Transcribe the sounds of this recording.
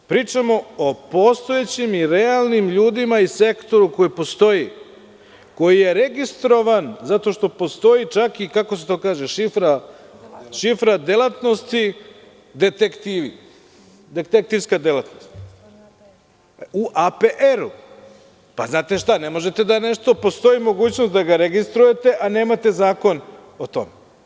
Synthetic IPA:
pɾiːt͡ʂamo̞opo̞st̪o̞et͡ɕimiɾealˠnimʎuːd̪imaise̞kt̪o̞ɾuko̞jipo̞st̪o̞ji | ko̞jijeɾeɡist̪ɾo̞ʋanzat̪o̞ʃt̪o̞po̞st̪o̞it͡ʃakikako̞set̪o̞ːkaːʒeʃifɾa | ʃifɾad̪elˠat̪no̞st̪i | d̪et̪ekt̪iːʋi | d̪et̪ek̚t̪iʋskad̪elˠat̪nost̪ | uʔapeʔeɾu | paznaːt̪e̞ʃt̪anemo̞ʒe̞t̪e̞d̪aneʃt̪o̞po̞st̪o̞imo̞ɡuːt͡ɕnost̪d̪aɡaɾeɡist̪ɾuje̞t̪e̞ʔane̞ːmat̪e̞zaːko̞not̪o̞̰me

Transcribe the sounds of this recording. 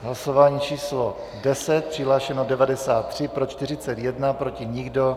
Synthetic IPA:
ɦlaso̞vaːɲiːt͡ʃiːslo | dɛsɛt̪̚pr̥ɪɦlaːʃɛnodɛvadɛsaːt̪ːr̝̥ɪpɾo̞t͡ʃt̪ɪr̝ɪt͡sɛt̪jɛdnapɾo̞cɪɲɪɡdo̞

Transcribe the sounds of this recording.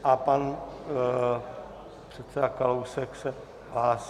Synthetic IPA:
ʔapan | pr̥ɛt̪sɛdakalowsɛksɛ | ɦlaːs

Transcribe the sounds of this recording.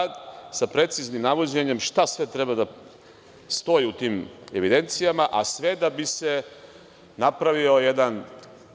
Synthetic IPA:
d̪sapɾe̞t̪siznimnaʋod͡ʑeɲe̞mʃt̪asʋe̞t̪ɾe̞bad̪a | st̪o̞jiut̪iːme̞ʋid̪e̞nt̪sijamaʔasʋe̞d̪abise̞ | napɾaʋio̞jed̪an

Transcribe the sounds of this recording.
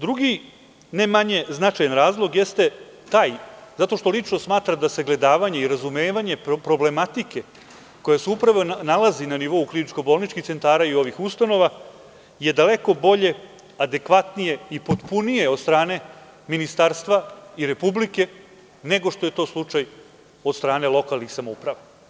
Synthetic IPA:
d̪ɾuɡi | nemaɲe̞znat͡ʃajanɾaːzlˠo̞ɡjest̪e̞t̪aːjzat̪o̞ʃt̪o̞lit͡ʂno̞smaːt̪ɾamd̪ase̞ɡle̞d̪aːʋaɲe̞iɾazumeːʋaɲe̞ppɾo̞ble̞mat̪ike̞ | ko̞jaseupɾaʋo̞nalazinaniʋo̞uklinit͡ʃko̞bo̞ːlˠnit͡ʃkixt̪se̞nt̪aːɾaio̞ʋixust̪ano̞ʋa | je̞d̪ale̞ko̞bo̞ʎe̞ | ad̪e̞kʋat̪nije̞ipod̪punije̞o̞d̪st̪ɾaːne̞ | minist̪aːɾst̪ʋaiɾe̞publike̞ | ne̞ɡo̞ʂt̪oje̞t̪o̞ːslˠut͡ʂaj | o̞d̪st̪ɾaːne̞lˠo̞kalnixsamoupɾaʋa

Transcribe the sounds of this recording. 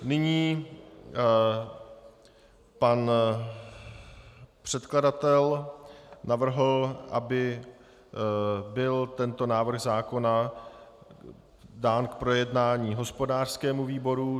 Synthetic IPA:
nɪɲiː | pan | pr̝̥ɛt̪kladat̪ɛl | navr̩ɦl̩ʔabɪ | bɪlt̪ɛnt̪o̞naːvr̩ɣzaːko̞na | daːnkpɾo̞jɛdnaːɲiːɦo̞spo̞daːr̥skɛːmuviːbo̞ɾu

